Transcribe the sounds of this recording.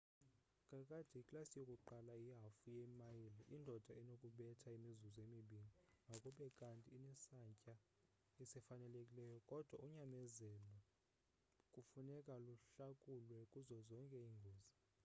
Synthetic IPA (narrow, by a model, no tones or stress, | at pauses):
ŋʱʼakʼad̥ʱiikʼlasijokʼuǃalaiɦafujemajilɛʔindʱɔd̥ʱaɛnokʼuɓɛtʰaimizuzemiɓiniŋʱakʼuɓɛkʼantʼiːnɛsaɲcʼa | isɛfanɛlekʼilɛjɔkʼɔd̥ʱwauɲamɛzɛlɔ | kʼufunɛkʼaluɬakʼulwɛkʼuzɔzɔŋkʼɛiŋɡʱoːzi